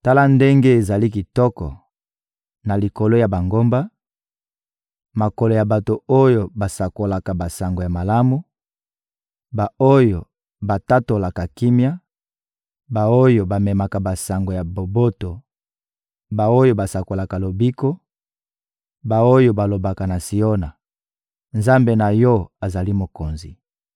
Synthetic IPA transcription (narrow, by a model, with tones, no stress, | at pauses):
ta˦la˦nde˦ŋɡe˦e˨za˨li˦ki˨tɔ˦kɔ̰˨ | na˨li˨ko˨lo˦ja˨ba˨ŋɡo˦mba˦ | ma˨ko˨lo˨ja˨ba˨to˨o˦jo˨ba˨sa˨ko˨la˨ka˨ba˨sa˨ŋɡo˨ja˨ma˨la˦mu˦ | ba˨o˦jo˨ | ba˨ta˦to˨la˨ka˨ki˦mja˦ | ba˨o˦jo˨ba˨mɛ˨ma˨ka˨ba˨sa˨ŋɡo˨ja˨bo˨bo˦to˨ | ba˨o˦jo˦˨ba˨sa˨ko˨la˨ka˨lo˨bi˦ko˦ | ba˨o˦jo˨ba˨lo˨ba˨ka˨na˨si˨o˦na˨ | nza˦mbe˨na˨jɔ˦a˨za˨li˦mo˨ko˨nzi˨